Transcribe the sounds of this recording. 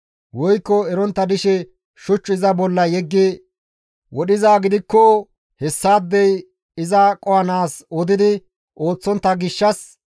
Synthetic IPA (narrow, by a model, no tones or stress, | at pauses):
wɔjkːɔɛɾɔnt̪ːɐd̪ɪʃɛ | ʃʊt͡ʃːʊɪzɐbɔlːɐjɛɡːe | wɔɗɪzaːɡɪd̪ɪkːɔ | hɛsːaːd̪ːɛj | ɪzɐkʼɔɐnaːsɔd̪ɪd̪ɪ | ʔo̞ːt͡sːɔnt̪ːɐɡɪʃːɐs